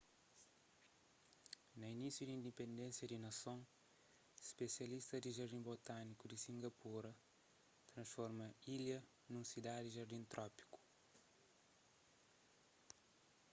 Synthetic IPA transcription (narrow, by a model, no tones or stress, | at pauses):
nɐinisjud̪ĩnd̪ipẽnd̪ẽnsjɐd̪inɐsõ | ʃpesjɐliʃt̪ɐd̪iʒɐɾd̪ĩmbot̪anikud̪isĩŋɡɐpuɾɐ | t̪ɾɐ̃sfɔɾmɐiljɐ | nũsid̪ad̪iʒɐɾd̪ĩnt̪ɾʔɔpi̥ku̥